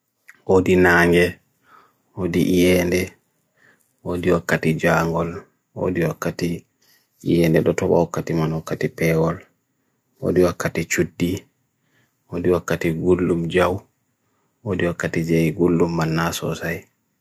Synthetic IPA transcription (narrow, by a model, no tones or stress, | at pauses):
ʔodinaːŋɡɛ | odiʔijɛndɛ | ʔodiwakːatid͡ʒaŋɡɔl | o̰diwakːati | ḭjɛndɛɗɔtɔba̰wakːatimanwakːatipɛwɔl | wo̰diwakːatit͡ʃudːi | ʔodiwakːatiɡulːumd͡ʒaw | odiwakːatid͡ʒɛjiɡulːumːanːasɔ̰saj